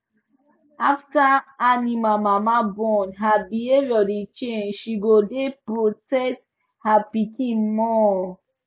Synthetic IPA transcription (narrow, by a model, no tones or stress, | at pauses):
aftaːnĩmamamabɔnɦabieɾɔdit͡ʃenʃiɡodepɾotɛs | hapikimɔ